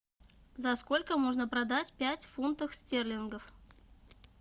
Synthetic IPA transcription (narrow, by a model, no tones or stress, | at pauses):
zɐskolʲkəmoʐnəpɾɐd̪atʲpʲætʲfunt̪əxsʲtʲerlʲɪnɡəf